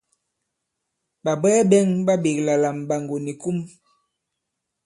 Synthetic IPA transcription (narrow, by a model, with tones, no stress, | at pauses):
ba˨bɛː˦bɛ˦ŋba˦be˨kla˨la˨m˨ba˨ŋɡo˨ni˨ku˦m